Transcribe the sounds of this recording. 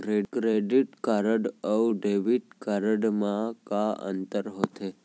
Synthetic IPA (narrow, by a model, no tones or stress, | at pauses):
ɾekɾeɖiʈkaɾəɖəwɖeʋiʈ̚kaɾəɖmãkaə̰nt̪əɾɦot̪ʰe